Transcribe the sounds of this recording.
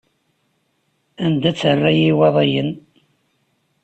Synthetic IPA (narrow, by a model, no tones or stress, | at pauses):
ænd̪æt͡sːərːæjiwɑðˤɑjən